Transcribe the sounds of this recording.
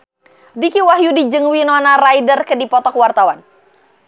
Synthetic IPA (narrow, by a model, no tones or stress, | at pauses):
bikiwaɦjudid͡ʒɨŋwinɔnarajdərkədipɔt̪ɔkwart̪awan